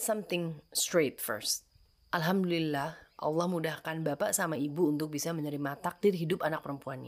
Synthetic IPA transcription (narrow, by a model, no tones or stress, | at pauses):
sʌmt̪ɪŋstɾet̪̚fə̰ɾst̪̚ | ʔalɦamdulilːahʔɑ̰lːɑhmudahkanbapaʔsamaibuːnt̪ʊk̚bisaməɲəɾimat̪ak̚dɪrɦidʊpanak̚pəɾəmpuanɲa